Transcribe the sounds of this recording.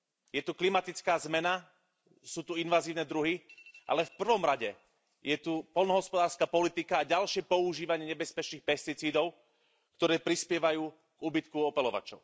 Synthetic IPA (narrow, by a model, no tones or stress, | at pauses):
jɛt̪uklimat̪it͡skaːzmɛna | suːt̪uinʋaːziːʊnɛd̪ɾuɦiʔa̰lɛfpr̩ʋɔmɾaɟɛ | jɛt̪upɔlnɔɦɔspɔd̪aːɾskaːpɔlit̪ikaːɟalʃɪɛpɔuʒiːʋaɲɪɛɲɛbɛspɛt͡ʃniːxpɛst̪it͡siːd̪ɔʊ | kt̪ɔɾɛːpɾispɪɛʋajuː | ɡ̥uːbit̪kuɔpɛlɔʋa̰t͡ʃɔ̰ʊ